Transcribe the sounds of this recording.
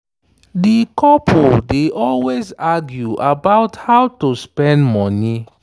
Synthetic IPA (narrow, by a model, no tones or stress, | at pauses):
dikɔpʰuldeʔɔlwezaɡjuʔabaʊthaʊtospɛ̃ndmɔni